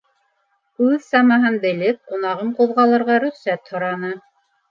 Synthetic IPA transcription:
ʉðsɑmɑɦɤnbɘ̆lɘp̚qunɑʁɤɴquðʁɑlˠɤ̆ɾʁɑɾɵ̆χsæt̪hŏɾɑnɤ

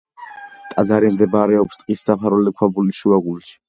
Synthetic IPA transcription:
t̪ʼad̪zaɾimd̪ɛbaɾɛɔpst̪ʼqʼisd̪apʰaɾulikʰwabuliʃuaɡulʃi̥

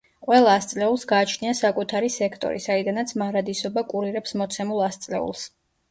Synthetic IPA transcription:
qʼwɛlˠaːst̪sʼlɛulˠsɡaːt͡ʃʰniasakʼut̪ʰaɾisɛkʰt̪ʼɔ̰ɾḭsaid̪anat̪sʰmaɾad̪isɔbakʼuɾiɾɛpsmɔt̪sʰɛmulˠast̪sʼlɛ̰ṵlˠs

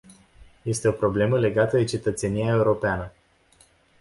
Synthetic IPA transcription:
je̞st̪e̞o̞pɾo̞ble̞məle̞ɡat̪əd̪e̞t͡ʃe̞t̪ət̪se̞nijae̞uɾo̞peanə

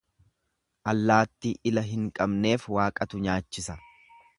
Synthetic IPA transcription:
ʔɐlːaːt̪ːiʔɪlɐɦɪŋkʼɐbne̞ːfwaːkʼɐt̪ʊɲaːt͡ʃːɪsɐ

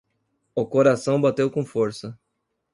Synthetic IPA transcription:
ʊkoɾasɐ̃w̃bat̪ewkõfoɾsɐ

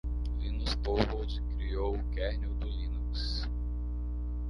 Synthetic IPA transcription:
lĩnuspovoɾd͡ʒɪkɾiowʊkɛɾnewd̪ʊlĩnuks

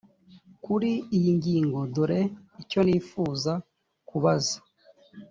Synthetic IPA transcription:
kuɾiijiŋɟiːŋɡo̞doɾe̞ico̞niːfuːza | kuβazḁ

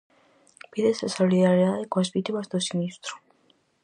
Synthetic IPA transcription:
b̥iðɛsasɔlid̪aɾiadɛɡwasbit̪ʰibasd̪ɔsinist̪ʼɾɔ

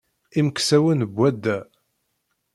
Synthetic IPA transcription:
imksæwənəbʷːæd̪ːæ

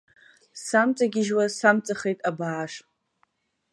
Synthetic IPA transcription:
samt͡sʼaɡʲɪʒwasamt͡sʼaχejtʼabaːʂ

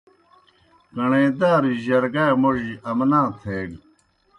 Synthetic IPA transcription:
kɐɳẽːd̪aːɾiʑɐɾɡaːmoʑiʔɐmnãːt̪ʰeːɡ

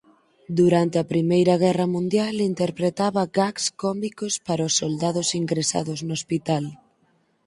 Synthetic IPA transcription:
d̪uɾant̪eɐpɾimejɾɐɣ̞ɛrɐmũnd̪jalint̪eɾpɾet̪aβɐɡakskɔmikospaɾɐosːold̪aðʊsiŋɡɾesa̰ðʊznospit̪al

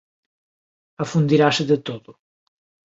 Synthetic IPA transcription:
ɐfund̪iɾasɪðɪt̪oðʊ

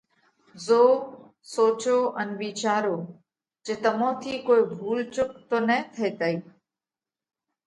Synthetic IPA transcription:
zoː | soːt͡ʃoːʔənʋiːt͡ʃaːɾoː | d͡ʒeːt̪ɐmõːt̪ʰiːkoːibʱuːlt͡ʃʊkt̪oːnət̪ʰeːt̪əiː

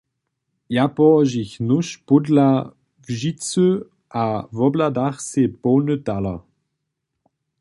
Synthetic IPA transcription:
japɔːʒiçnuʃpʊdla | vʒit͡sø | ʔavɔbladaχsepoːnətalɐ̰

